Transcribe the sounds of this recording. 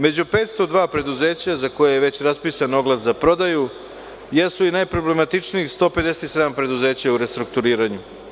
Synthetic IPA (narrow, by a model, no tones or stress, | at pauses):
me̞d͡ʑupeːt̪st̪o̞d̪ʋaːpɾe̞d̪uze̞ːt͡ɕazako̞jejeʋe̞t͡ɕɾaspiːsano̞ɡlˠaszapɾo̞d̪aju | jesuinajpɾo̞ble̞mat̪it͡ʂniixst̪o̞ːpe̞d̪e̞set̪i̥se̞d̪ampɾe̞d̪uze̞ːt͡ɕauɾe̞st̪ɾuk̚t̪uɾiːɾaɲu